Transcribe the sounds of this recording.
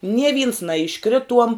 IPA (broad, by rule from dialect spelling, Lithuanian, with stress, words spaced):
nʲiɛ ʋʲiːns nɐɪʃˈkrʲɪtuɔm